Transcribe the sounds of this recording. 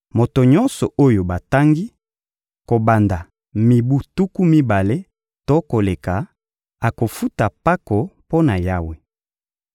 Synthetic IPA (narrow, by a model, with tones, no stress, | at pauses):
mo˨to˨ɲɔ˦nsɔ˨ʔo˦jo˨ba˨ta˦ŋɡi˦ | ko˨ba˨nda˨ | mi˨bu˦tu˦ku˦mi˦ba˨le˦ | to˦ko˨le˨ka˨ | a˨ko˨fu˦ta˨pa˦ko˨po˦na˨ja˦we˨